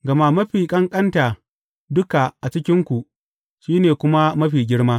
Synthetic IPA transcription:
ɡɐ˨ma˦mɐ˦ɸiː˨kʼɐ˦ŋkʼɐ˦nta˨ | dʊ˦ka˨ʔa˨t͡ʃɪ˦kʲɪ˦ŋkʷu˨ | ʃiː˦neː˨kʷʊ˦ma˦mɐ˦ɸiː˨ɡʲɪ˦ɽmaː˦

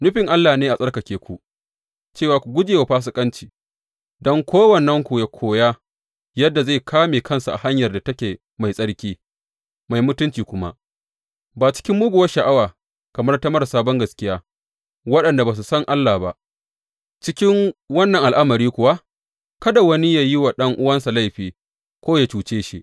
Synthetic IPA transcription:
nʊ˦ɸɪ˨ŋʔa˦lːaː˨neː˦ʔa˨sʼɐ˦rkɐ˨kʲeː˨kʷu˨ | t͡ʃeː˦˨waː˨kʷu˨ɡʷʊ˦d͡ʒeː˨wa˨ɸaː˦s̬ʊ˨kʼɐ˦nt͡ʃiː˨ | dɔ˦ŋkʷʰoː˦wɐ˨nːɐ˦ŋkʷu˨ja˨kʷʰoː˨jaː˦ | jɐ˦dːa˨za˦˨kʰaː˦meː˨kɐ˦nsu˨ʔa̰˨ha˦ɲjɐ˨rda˨tɐ˦kʲeː˨ | ma˨jsʼɐ˦ɽkʲiː˦ | ma˨jmʊ˦tʊ˦nt͡ʃiː˨kʷʊ˦ma̰˦ʔ | baː˨t͡ʃɪ̥˦kʲɪ˦mːʊ˦ɡʷʊ˨wɐ˦ʃa˨ʔa˦waː˨ | kɐ˨mɐ˦rtɐ˦mɐ˦rsaː˦bɔ˦ŋɡɐ˨skʲɪ˦jaː˦ | wɐ˦ɗɐ˨nda˨baː˨s̬u˨sɐ˦ŋʔa˦lːa˨ba˦ʔ | t͡ʃɪ˦kʲɪ˦ŋwɐ˦nːɐ˨ŋʔa˨lʔa˦mɐ˨ɾiː˦kʷʊ˨wa˦ | kɐ˦da˨wɐ˦ni˦jaː˨ji˦wa˨ɗɐ˦ŋʔʊ˦wɐ˦nsa˨la˦jɸiː˨ | kʷoː˦ja˨t͡ʃuː˨t͡ʃeː˦ʃi˦ʔ

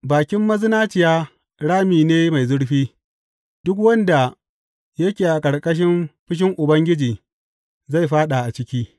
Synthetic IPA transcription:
baː˨kʲɪ˦mːɐ˦zɪ˦naː˦t͡ʃɪ˨jaː˦ | ɽaː˦miː˨neː˦ma˨jzʊ˦ɽɸiː˦ | d̥ʊ˦k̬wɐ˦nda˨ | jɐ˦kʲeː˨ʔa˨kʼɐ˨ɽkʼɐ˦ʃ̬ɪ˦mɸɪ˦ʃ̬ɪ˦ŋʔʊ˨bɐ˦ŋɡʲɪ˦d͡ʒiː˨ | za˦˨jɸaː˦ɗa˨ʔa˨t͡ʃɪ˦kʲiː˦

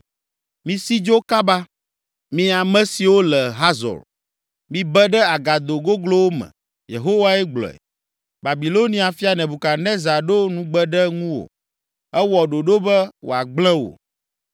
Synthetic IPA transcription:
mĩ˨si˦d͡ʒo˦ka˦ba˦ | mĩ˦a˨mɛ̃˦si˨wo˦lɛ˨ɦa˦zɔ̰˨l | mĩ˦bɛ˦ɖɛ˦a˨ɡa˨d̪o˨ɡo˦ɡlo˦wo˦mɛ̰̃˨ | jḛ˨ɦo˦wa˦ɛ˦ɡ͡blɔ̰˨ɛ̰˨ | ba˨bi˨lo˦nĩ˦a˨fi˦a˨nɛ̃˨bu˨ka˨nɛ̃˦za˨ɖo˦nũ˨ɡ͡bɛ˦ɖɛ˦ŋũ˦wo̰˨ | ɛ˦wɔ˨ɖo˨ɖo˦bɛ˦wʔo̰˨a˨ɡ͡blɛ̃˦wo̰˨

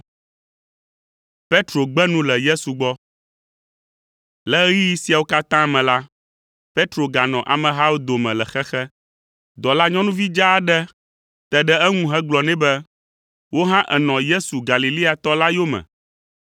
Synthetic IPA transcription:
pe˦t̪ɾo˨ɡ͡bɛ˦nũ˦lɛ˨je˦su˨ɡ͡bɔ˦ | lɛ˦ji˦ji˦si˦a˨wo˦ka˦t̪ã˦˨mɛ̃˨la˦ | pe˦t̪ɾo˨ɡa˨nɔ̃˨ʔa̰˨mɛ̃˨ɦa˦wo˦d̪o˨mɛ̃˨lɛ˨xɛ˦xɛ˦ | d̪ɔ˨la˦ɲɔ̃˦nũ˦vi˦d͡ʒa˦ɖɛ˦ | t̪ɛ˨ɖɛ˦ɛ˦ŋũ˦ɦɛ˦ɡ͡blɔ˨nɛ̃˦bɛ˦ | wo˦ɦã˦ʔɛ˨nɔ̃˨je˦su˨ɡa˨li˨li˦a˨t̪ɔ˦la˦jo˦mɛ̰̃˨

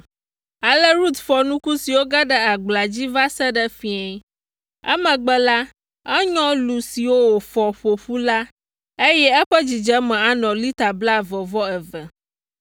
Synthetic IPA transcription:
a˨lə˦ɾu˦t̪fɔ˨nũ˦ku˦si˨wo˦ɡa˦ɖə˦a˨ɡ͡bla˨d͡ʑi˦va˦sɛ˦ɖə˦fĩ˦e˨˦ | ɛ̰˦mə̃˨ɡ͡bɛ˦la˦ | ɛ˦ɲɔ̃˦lu˨si˨wo˦wo˨fɔ˨ɸo˨ɸu˦la˦ | e˦jɛ˦ɛ˦ɸə˦d͡ʑi˨d͡ʒɛ˦mɛ̃˨a˨nɔ̃˨li˦t̪a˨bla˦vɔ˨vɔ˦ɛ˨vɛ˨

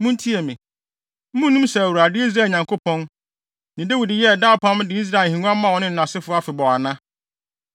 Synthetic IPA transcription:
mũ˦n˦tʰi˦e˨mɪ̃˨ | m̩˦mũ˦nũ˦msɛ˨æ˨wɾa˨dɪ˦i˦s̬ɾaː˦˨lɲã˨ŋkʰo˦pʰɔ̃˦n | nã˨de˦wi˨dɪ˨jɛ˦˨daː˦˨pʰã˦m˦dɪ˨i˦s̬ɾa˦˨hĩ˨nũ˦a˦mã˦˨wɔ˨nɪ̃˦n̩˨nã˨sɪ˦fʊ˦a˦fɪ˨bɔ˨a˨nã˦

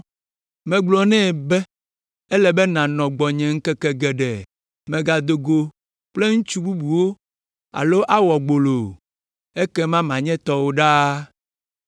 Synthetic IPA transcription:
mɛ̃˨ɡ͡blɔ˨nɛ̃˦˨bɛ˦ | ɛ˦lɛ˨bɛ˦nã˨nɔ̃˨ɡ͡bɔ˨ɲɛ̃˨ŋ̩˦kɛ˦kɛ˦ɡɛ˨ɖɛ˨ | mɛ̃˨ɡa˨d̪o˨ɡo˨ | k͡ple˦ŋũ˦t͡ʃu˦bu˦bu˨wo˦ | a̰˨lo˦ʔa˦wɔ˨ɡ͡bo˨lo˨ | e˦kɛ˦mã˦mã˨ɲɛ̃˦t̪ɔ˦wo˦ɖa˦

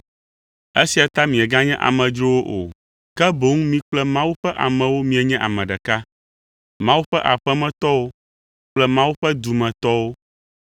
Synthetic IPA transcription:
e˦si˨a˨t̪a˦mĩ˨ɛ˨ɡa˦ɲɛ̃˦ʔa̰˨mɛ̃˨d͡ʒɾo˦wo˦ʔo̰˨ | kɛ˦bo˦ŋũ˦mĩ˦k͡plɛ˦mã˦wu˦ɸɛ˦ʔa̰˨mɛ̃˨wo˦mĩ˨˦ɛ˨ɲɛ̃˦ʔa̰˨mɛ̃˨ɖɛ˨ka˦ | mã˦wu˦ɸɛ˦ʔa˨ɸɛ˦mɛ̃˨t̪ɔ˦wo˦ | k͡plɛ˦mã˦wu˦ɸɛ˦d̪u˨mɛ̃˨t̪ɔ˦wo˦

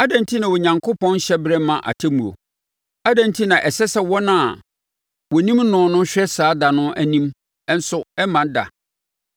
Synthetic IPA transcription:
a˦dã˨n˦tʰi˦nã˨wɔ˨ɲã˨ŋkʰo˦pɔ̃˦n˦ɕɛ˦bɾɛ˦mã˨ʔa̰˨tʰɪ˦mũ˨ɾo̰˨ | a˦dæ̃˨n˦tʰi˦nã˨ʔɛ˨sɛ˦sɛ˦˨wɔ˦nã˨ | wɔ˨nĩ˦m̩˦nʊ̃ː˨nʊ̃˦ɕᶣɛ˦saː˨˦da˨nʊ̃˦ʔæ˨nĩ˦m˦ | n̩˦sʊ˦ɛ˦mã˨n˦da̰˨

